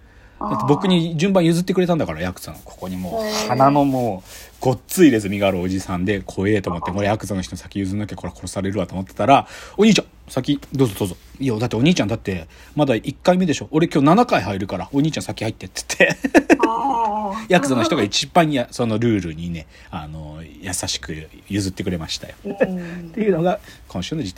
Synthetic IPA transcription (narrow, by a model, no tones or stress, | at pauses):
d̪at̪ːe̞bo̞kɯ̟ɲ̟id͡ʑɨ̃mbãɰ̃jɯzɨt̪ːe̞kɯ̟ɾe̞t̪ãnd̪akaɾajakɯ̥zã̰a̰kʰo̥ko̞ɲ̟imo̞ːhanano̞mo̞ːɡ̥o̞tt͡sɨiɾe̞zɨmʲiɡaːɾɯo̞d͡ʑisãnd̪e̞kʰo̞e̞ːt̪o̞ːmot̪ːemoɾejakɯ̟zãnːoç̥t̪oisḁkʲijɯzɨnːakeko̞ɾekʰo̞ɾo̞saɾe̞ɾɯ̟βat̪o̞ːmot̪ːet̪aɾaoɲiːt͡ɕã | sakʲid̪o̞ːzo̞d̪oːzo̞ijad̪at̪ːe̞o̞ɲ̟iːt͡ɕãnd̪at̪ːe̞ | mad̪aʔikːaime̞d̪e̞ɕo̞ʔoɾe̞kʲo̞ːnanakaiɦaiɾɯ̟kaɾao̞ɲ̟iːt͡ɕãsakʲihait̪ːe̞t͡sɨ̥t̪ʰːe̞ | jakɯ̟zano̞çi̥toait͡ɕibãɰ̃jaso̞no̞ɾɯ̟ːɾɯ̟ɲ̟ine̞ | ano̞jasaɕi̥kɯ̟ | jɯzɨt̪ːe̞kɯ̟ɾe̞maɕi̥t̪a̰jo̥t̪ːe̞jɯ̟no̞ɡakʰonɕɨːnad͡ʑit̪ː